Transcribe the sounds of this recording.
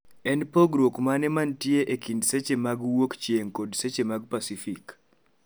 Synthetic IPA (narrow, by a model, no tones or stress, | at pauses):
ɛnpoɡɾokmanɛmantjeʔekindset͡ʃemaɡwokt͡ʃeŋkodset͡ʃemaɡ̚pasifik